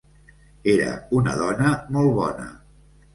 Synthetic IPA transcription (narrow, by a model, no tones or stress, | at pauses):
eɾə̰unə̰ðɔnəmɔlˠβɔnə̰